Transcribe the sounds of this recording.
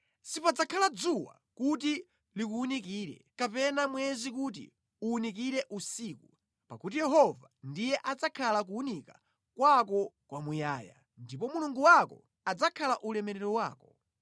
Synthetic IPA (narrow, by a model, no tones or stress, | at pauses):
sipad͡zakʰalad͡zuwa̰ | kut̬i | likuunik̬iːɾɛ̰kapɛnamwɛzik̬ut̬ḭ | uːnik̬iɾɛʔusiːku | pakut̬ijɛɦɔvandijɛʔad͡zakʰalak̬uːnika | kwak̬ɔkwamujaːja̰ | ndipɔmuluŋɡuwakɔ̰ | ad͡zakʰalaʔulɛmɛɾɛɾɔwaːkɔ